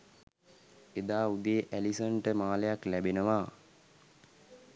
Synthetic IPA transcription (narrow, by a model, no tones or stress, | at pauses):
ed̪aːud̪eːʔælisəɳʈəmaːləjaklæbenəʋaː